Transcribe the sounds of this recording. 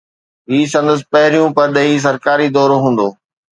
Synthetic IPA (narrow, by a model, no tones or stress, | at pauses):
ɦiːsɐ̃nd̪əs̬ɪ̥̆pɐɦɪɾijũpɐɾɗɐɦis̬ɐɾkaːɾid̪ɔːɾoɦũːn̆d̪oː